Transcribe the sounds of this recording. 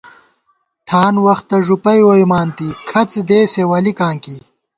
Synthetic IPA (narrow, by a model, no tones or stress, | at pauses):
ʈʰaːnwɐxt̪ːɐʐupɐjwojmaːnt̪ikʰɐt͡sd̪eːsewɐlikãːŋki